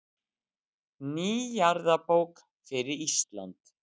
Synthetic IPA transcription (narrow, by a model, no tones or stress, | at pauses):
niːjaɾðapowk | fɪɾɪɾist̪la̰nt̪